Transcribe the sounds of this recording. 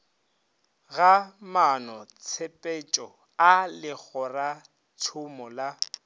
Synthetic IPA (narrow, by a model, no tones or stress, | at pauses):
ɣamanɔt͡sʰepʼet͡ʃʼɔ | alɪk͡xɔra | t͡sʰʊmɔla